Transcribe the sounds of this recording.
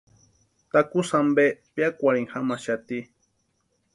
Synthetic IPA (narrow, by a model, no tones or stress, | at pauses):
t̪akusambepjakʷaɽiŋxamaʃat̪i